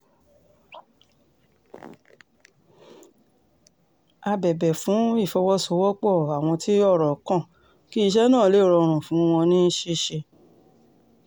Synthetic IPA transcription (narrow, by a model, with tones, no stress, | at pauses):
a˧bɛ˨bɛ˨fũ˨˦i˦˨fɔ˧wɔ˦so˨˧˦wɔ˦k͡pɔ˦˨a˨w̃ɔ̃˧ti˦ɔ˦˨ɾɔ˨kã˦˨ | ki˦i˧ʃ̬ɛ˦nãː˦˨le˦ɾɔ˧ɾ̃ũ˨fũ˨˦w̃ɔ̃˧nĩ˦ʃe˧ʃe˧